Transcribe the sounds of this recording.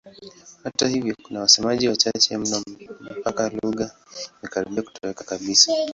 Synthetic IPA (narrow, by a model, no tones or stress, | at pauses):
hatahivjɔkunawasɛmaʄiwat͡ʃat͡ʃɛm̩nam̩pakaluɣamɛkaɾiɓiaku̥tɔwɛkakaɓisḁ